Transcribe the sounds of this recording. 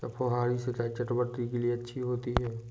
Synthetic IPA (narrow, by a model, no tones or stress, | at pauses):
kapʰoɦaːɾisekaːet͡ʃɐʈbəʈɾikelieɐtːʃʰiɦoːt̪iɦɛː